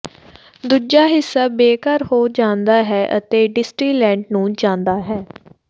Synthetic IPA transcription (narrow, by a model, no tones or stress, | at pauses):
d̪uːd͡ʒaːɦɪsːaːbeːkəɾhoːd͡ʒãːnd̪aːɦɛːʔə̰t̪eːɖɪsʈɾiːlɛ̃ːɳɖnũːd͡ʒãːnd̪aːɦɛː